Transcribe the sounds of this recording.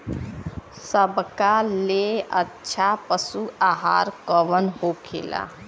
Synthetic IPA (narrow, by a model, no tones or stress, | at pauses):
səbkaleətːʃʰapəsuaɦa̰ɾkəʋənhokʰḛla̰